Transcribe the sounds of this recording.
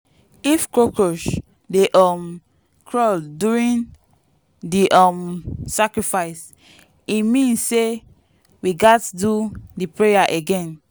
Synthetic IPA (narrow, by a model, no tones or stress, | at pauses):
ifkokoʃ | deʔɔm | kʰɹɔlduɹĩn | diʔɔmsakɹifaɪs | imĩnsːe | wiɡatdudipɹejaʔeɡɛ̃n